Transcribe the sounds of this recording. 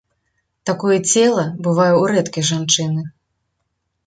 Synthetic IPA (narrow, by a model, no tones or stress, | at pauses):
t̪akɔjɛt͡sʲɛlˠɐbɨvajuɾɛt̪kʲijʐant͡ʂɨnɨ